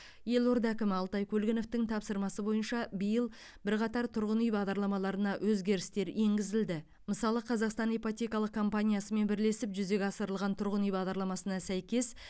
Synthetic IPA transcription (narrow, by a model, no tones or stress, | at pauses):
je̞lo̞ɾd̪ækʲɪmɪɑlˠt̪ɑjkʲʰɵlɡʲɪno̞ft̪ɪŋt̪ʰɑpsəɾmɑsəbo̞jənʃɑbəjəlˠ | bɪɾqʰɑt̪ɑɾt̪ʰʊɾʁənijbɑʁd̪ɑɾlˠɑmɑlˠɑɾənɑwʔɵzɡʲe̞ɾɪst̪e̞ɾe̞ŋɡʲɪzɪld̪ɪ | məsɑlˠəqʰɑzɑqst̪ɑnepot̪ʲe̞kɑlˠəqkʰo̞mpanʲijasəme̞nbɪɾle̞sɪpʒʏze̞ɡʲɑsəɾəlˠʁɑnt̪ʰʊɾʁənijbɑʁd̪ɑɾlˠɑmɑsənɑsæjkʲe̞s